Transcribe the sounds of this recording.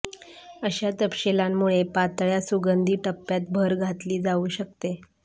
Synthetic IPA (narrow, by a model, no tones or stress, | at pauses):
əɕjat̪əpɕelamːuɭepat̪ɭjasuɡənd̪ʱiːʈəpːjat̪̚bʱəɾɡʱat̪liːd͡zauːɕək̚t̪e